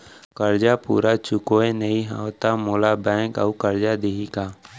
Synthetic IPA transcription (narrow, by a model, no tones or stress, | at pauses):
kəɾd͡ʒapṵːɾat͡ʃʊkoẽnəiɦa̰t̪amoːlabɛ̃ːŋkə̰ukəɾd͡ʒad̪eɦikaː